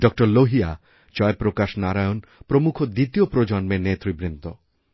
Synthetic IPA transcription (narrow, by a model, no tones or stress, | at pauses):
ɖɔk̚ʈoɾloɦia̰ | d͡ʑɔepɾokaʃnaɾajonpɾomukʰod̪it̪iopɾod͡ʑɔnmenet̪ɾibɾint̪o